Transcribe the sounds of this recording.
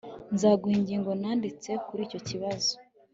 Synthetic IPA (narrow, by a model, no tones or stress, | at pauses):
nzaːɡuhiɲɟiːŋɡo̞naːndit͡se̞kuɾiːco̞ciβazo̥